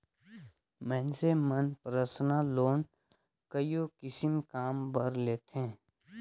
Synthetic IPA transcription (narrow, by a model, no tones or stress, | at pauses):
mɛ̃ːnsemənpɾəsnaloːn | kəijokɪsɪmkaːmbəɾleːt̪ɦẽː